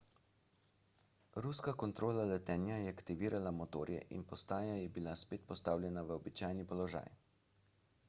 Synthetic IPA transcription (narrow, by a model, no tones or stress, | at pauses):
ɾuskakɔnt̪ɾoːlalɛt̪ɛːnjajɛakt̪iʋiːɾʔalamot̪o̰ːɾjɛ̰ʔḭnpɔst̪aːjajɛbilaspeːt̪̚pɔst̪awlʲjɛnaʋəɔbit͡ʃajnipɔlɔʒa̰ːj